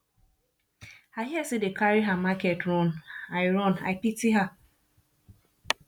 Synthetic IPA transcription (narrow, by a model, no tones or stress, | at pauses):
aɦiasidekaɾiɦamakɛtɾɔnaɪɾɔna̰ɪpitiɦa